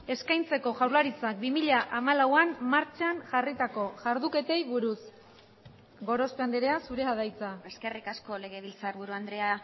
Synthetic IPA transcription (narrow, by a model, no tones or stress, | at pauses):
e̞skajnt͡se̞ko̞ʝawlaɾit͡sak̚bimiʎaʔamalawanmaɾt͡ʃanʝarit̪ako̞ʝaɾðuke̞t̪e̞jβuɾus | ɡo̞ɾo̞speand̪eɾeasuɾe̞aðajt͡sae̞ske̞rikasko̞le̞ɣe̞βilt͡saɾβuɾuand̪ɾe̞a